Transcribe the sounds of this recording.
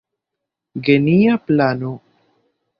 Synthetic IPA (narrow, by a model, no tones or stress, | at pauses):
ɡenijaplano